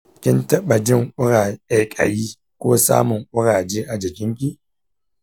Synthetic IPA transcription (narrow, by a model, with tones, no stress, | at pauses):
kʲɪ˦ntɐ˦ɓa˨d͡ʒɪ˦˨ŋʔʷʊ˦ɾaː˨a˨kʼa̰˨jiː˦ | kʷoː˦sa̰ː˦mʊ˨ŋʔʷʊ˦ɾaː˨d͡ʒeː˦ʔa˨d͡ʒɪ˨kʲɪ˦ŋkʲi˦